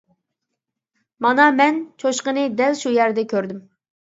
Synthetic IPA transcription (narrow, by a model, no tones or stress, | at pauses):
mɑnɑmɛnt͡ʃʰoʃqənɨd̪ɛlʃujæɾd̪ɛkʲʰøɾd̪ym